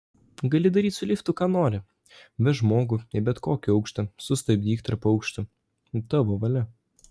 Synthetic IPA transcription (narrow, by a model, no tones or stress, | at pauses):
ɡɐlʲɪd̪ɐɾʲiːt̪ʲsʊlʲɪːft̪ʊkɑːnoːɾʲɪ | bʲɛʒmoːɡʊɪbʲɛt̪koːkʲɪɒʊkʃt̪ɐsʊst̪ɐbʲd̪ʲiːkt̪ɐɾpɐʊkʃt̪ʊ | t̪ɑʋoːʋɐlʲɛ